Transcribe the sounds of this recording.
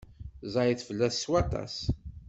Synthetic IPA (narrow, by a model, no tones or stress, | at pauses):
zˤɑjθfəlːæsswɑt̪ˤɑ̰s